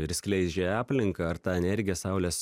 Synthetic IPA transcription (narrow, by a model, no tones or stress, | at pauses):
ɪɾsʲkʲlʲɛɪzʲd͡ʒʲeɑːpʲlʲɪŋkɑːɐɾt̪ɑːɛnʲɛɾʲɡʲɪjɛsɑʊlʲɛːs